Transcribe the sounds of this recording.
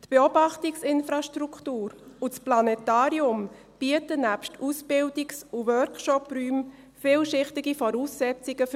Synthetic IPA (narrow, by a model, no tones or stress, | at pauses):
tb̥eɔbɑχtiksɪnfɾɑʃtɾukʰtuːɾusplɑnɛtɑːɾiʊm | b̥iətənæpʃtusbɪldiksuʋœɾkʃɔpryːm | fɪːlʃɪχtɪɡifɔɾuːsːɛt͡siɡ̥əf